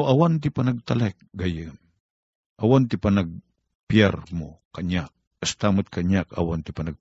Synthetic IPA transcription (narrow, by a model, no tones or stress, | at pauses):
oʔɐwant̪̬ɪpɐnɐɡ̚t̪ɐlak̚ɡɐjɨn | ʔɐwant̪ɪpɐnɐɡ̚ | pjaɾmokɐɲak̚ | ɐst̪amʊt̪̚kʰɐɲaka̰want̪ɪpɐnɐɡ̚